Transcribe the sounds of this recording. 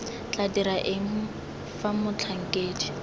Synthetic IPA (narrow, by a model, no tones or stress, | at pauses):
t͡ɬʼadiɾaʔɪŋ̩ | famʊt͡ɬʰaŋ̩kʼeːd͡ʒi̥